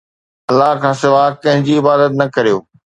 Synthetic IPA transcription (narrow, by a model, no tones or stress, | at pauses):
ɐlːaɦkʰãːsɪʋakɐ̃ɦɪ̃ɲd͡ʑiɪbaːd̪ət̪nɐkɐɾijoː